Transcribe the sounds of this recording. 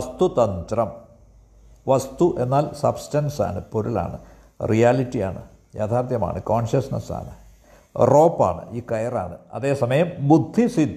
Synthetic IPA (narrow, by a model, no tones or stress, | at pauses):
ɐst̪ut̪ɐnt̪rɐm | ʋɐst̪uʔe̞nːaːlsɐ̰bstɐnsa̰ːɳɨpoɾula̰ːɳɨ̰ | rijaːlitːijaːɳɨ̰ | jaːt̪ʰaːrt̪jɐma̰ːɳɨkoːɳɕɐsnɐsa̰ːɳɨ | ro̞ːpːa̰ːɳɨ̰iːkɐjɐra̰ːɳɨɐ̰ðe̞ːsɐmɐjɐmbud̪ʱːisid̪